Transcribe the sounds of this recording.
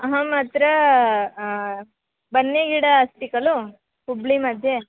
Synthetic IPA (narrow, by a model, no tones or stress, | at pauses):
ɐɦɐmɐt̪ɾɐ | bɐnːiɡiɽɐːsʈ̪ikɐlu | publimɐd̪ʱje